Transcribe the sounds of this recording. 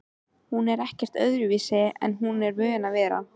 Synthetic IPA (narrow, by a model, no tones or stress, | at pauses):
hunɛɾɛhcɛr̥t̪œ̰ðɾʏviːsɪɛ̰nɦunɛɾvœːɪnavɛːɾa̰